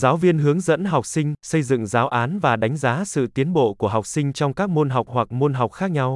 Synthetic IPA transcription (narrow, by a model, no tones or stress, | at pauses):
zaːwviənɦɨəŋzə̰nɦɔwk͡p̚sïŋ̟səjzɨ̰ŋzaːwʔaːnvaːɗajŋ̟zaːsɨ̰t̪iənɓo̰kuəɦɔwk͡p̚sïŋ̟t͡ɕɔwŋ͡mkaːk̚monɦɔwk͡p̚wak̚monɦɔwk͡p̚xaːk̚ɲaw